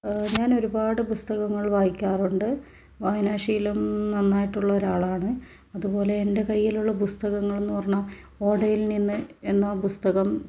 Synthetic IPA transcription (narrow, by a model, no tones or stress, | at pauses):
ɲaːno̞ɾubaːɽɨpust̪ɐɣɐŋːɐɭʋaːjikʲːaːruɳɖɨ | ʋaːjinaːʂijilumnɐnːaːjiʈːuɭːɐoɾaːɭaːɳɨ | ɐðupo̞ːle̞ːnde̞kɐjːiluɭːɐpust̪ɐɣɐŋːɐɭe̞nːupɐrɐɲːɐ | o̞ːɖɐjilninːɨe̞nːapust̪ɐɣɐm